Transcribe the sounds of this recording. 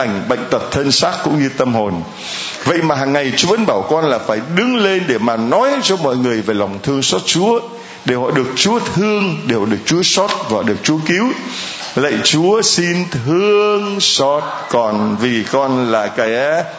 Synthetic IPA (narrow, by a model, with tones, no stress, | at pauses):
jŋ̟ɓə̰˧˨jŋ̟t̪ə˨˩p̚t̪ʰə˧nsaː˦˥t̚kʊ̰˧˥ŋ͡mɲɨ˧t̪ə˧mho˨˩n | və̰˧˨jmaː˨˩ɦaː˨˩ŋːa˨˩jt͡ɕu˨˦və̰˧˥nɓaː˧˩wkɔ˧nlaː˨˩faː˧˩jɗɨ˨˦ŋle˧nɗe˧˩maː˨˩nɔ˨˦jt͡ɕɔ˧mɔ̰˧˨jŋɨ˨˩əjveː˨˩la˨˩wŋ͡mt̪ʰɨ˧əŋsɔ˦˥t̚t͡ɕu˨˦ə | ɗe˧˩hɔ̰˧˨ɗɨ˨˩ək̚t͡ɕu˨˦ət̪ʰɨ˧əŋɗe˨˩wɗɨ˨˩ək̚t͡ɕu˨˦əsɔ˦˥t̚vaː˨˩ɗɨ˨˩ək̚t͡ɕu˨˦əki˨˦w | lə̰˧˨jt͡ɕu˨˦əsi˧nt̪ʰɨ˧əəŋsɔ˦˥t̚kɔ˨˩nvi˨˩kɔ˧nlaː˨˩kaː˧˩j